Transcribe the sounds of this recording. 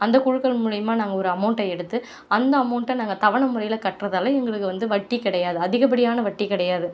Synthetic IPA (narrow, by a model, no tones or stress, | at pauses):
ɐnd̪ɐkʊɻɯkːɐɭmuːɻɪjɐmaːnaːŋɡɐɔɾɯɐmɐʊɳʈːɐɛɽɯt̪ːɯ | ɐnd̪ɐːmɐʊɳʈːɐnaːŋɡɐt̪ɐʋɐɳɐmʊɾɐjɪlɐkɐʈrɐðaːlɐɛŋɡɐɭɯkːɯʋɐnd̪ɯʋɐʈːikɪɽɐjaːðɯɐðɪɣɐp̬ːɐɽɪjaːnɐʋɐʈːikɪɽɐjaːðɯ